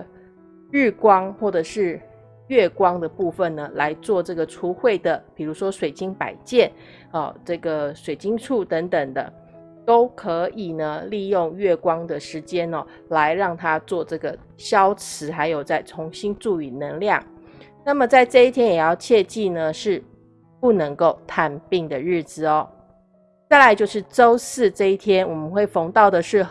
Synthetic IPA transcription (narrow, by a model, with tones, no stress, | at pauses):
ɻ̩˥˩kwɑ˥ŋxwɔ˥˩ʈ͡ʂɤ˨˩ʂɻ̩˥˧ | ɥɛ˥˩kwɑ˥ŋd̪ə˨pu˥˧fə˨˩nnə˩la˧˦ɪt͡swɔ˥˧ʈ͡ʂɤ˥˩ɡə˩ʈ͡ʂʰu˥xwe˥˩ɪd̪ə˩pi˨˩ɻu˧˥ʂwɔ˥ʂwe˨˩ɪt͡ɕi˥ŋpa̰˨˩ɪt͡ɕjɛ˥˩n | ɔ˥˨˩ʈ͡ʂɤ˥˩ɡə˩ʂwe˨˩ɪt͡ɕi˥ŋʈ͡ʂʰu˥˩t̪ə˧˥ŋt̪ə˨˩ŋd̪ə̰˦ | t̪o˥ʊkʰɤ˧˥i˨˩nə˦li˥˧jʊ˥˧ŋɥɛ˥˩kwɑ˥ŋd̪ə˨ʂɻ̩˧˥t͡ɕjɛ˥nɔ˨ | la˧˦ɪɻɑ˥˩ŋt̪ʰa˥t͡swɔ˥˧ʈ͡ʂɤ˥˩ɡə˩ | ɕjɑ˥ʊt͡s̩ʰ˧˥xa˧˦ɪjo˨˩ʊt͡sa˥˩ɪt͡sʰʊ˧˥ŋɕi˥nʈ͡ʂu˥˩y˨˩nə˧˥ŋljɑ˥˨˩ŋna˥˩mə˨˩t͡sa˥˧ɪʈ͡ʂɤ˥˧i˥t̪ʰjɛ˥njɛ˨˩jɑ˥˧ʊt͡ɕʰjɛ˥˧t͡ɕi˥˧nə˩ʂɻ̩˥˧ | pu˥˩nə˧˥ŋko˥˩ʊt̪ʰa˧npi˥˩ŋd̪ə˩ɻɻ̩˥˩t͡sɹ̩˨˩ɔ˨˩ | t͡sa˥˩ɪla˧˥ɪt͡ɕjo˥˧ʊʂɻ̩˥˩ʈ͡ʂo˥ʊsɹ̩˥˧ʈ͡ʂɤ˥˧i˥˩t̪ʰjɛ˥nwɔ˨˩mə˦nxwe˥˩ɪfo˧˥ŋt̪ɑ˥˩ʊd̪ə˩ʂɻ̩˥˩